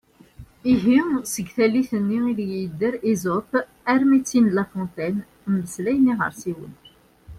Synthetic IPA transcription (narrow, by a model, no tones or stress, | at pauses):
iɦisəɡθæliθənːiiðjjəd̪ːəɾizot̪ | æɾmit͡sːinlæfɔ̃nt̪æn | mːəslæjnːiʁə̰ɾsiwə̰n